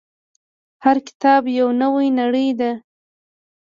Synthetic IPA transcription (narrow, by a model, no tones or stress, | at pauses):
haɾkɪ̥t̪ɑbjawnəwajnaɽəjd̪a